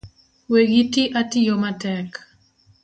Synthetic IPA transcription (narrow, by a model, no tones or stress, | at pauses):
weɡitiʔatɪjomatɛk